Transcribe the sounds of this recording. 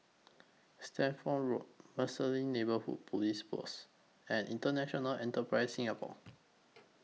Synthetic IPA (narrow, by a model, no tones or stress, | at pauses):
stʰɛ̃nfɔ̃nɹot̚məsəlĩnebəhṵd̚pʰolispɔ̰s | ɛ̃nĩntənɛʃɔnəlɛ̃ntəpɹaɪsːĩŋapɔ̰